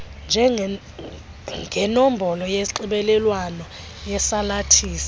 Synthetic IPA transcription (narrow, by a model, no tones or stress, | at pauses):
nd͡ʒʱɛ | ɡʱɛnom̩bʱɔlɔjeǃiɓɛlɛlwanɔ | jɛsalatʰiːsḁ